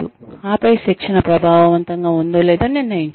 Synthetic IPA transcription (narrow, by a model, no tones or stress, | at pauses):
uaːpɐjiʃikʂɐnɐpɾɐbʱaːʋɐʋɐnt̪ɐŋɡaːund̪oːlɛːd̪aːninːɐjiɲt͡ʃ